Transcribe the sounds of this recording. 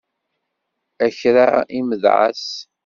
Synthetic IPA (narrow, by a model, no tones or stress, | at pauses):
æçɾaiməðʕa̰s